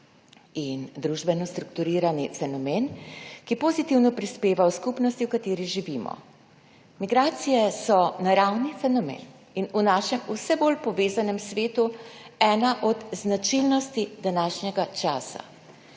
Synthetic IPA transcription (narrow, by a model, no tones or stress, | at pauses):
ind̪ɾuʒbɛnɔst̪ɾukt̪uɾiːɾanifɛnɔmeːnkipozit̪iwnɔpɾispeːʋawskupnɔst̪iwkat̪eːɾiʒiʋimɔ̰ | miɡɾaːt̪sijɛsɔnaɾawnifɛnɔmḛːn | inunaːʃɛmusɛboːlpɔʋeːzanɛmsʋeːt̪uɛːnaʔɔd̪znat͡ʃilnɔst̪id̪anaːʃnjɛɡat͡ʃaːsa̰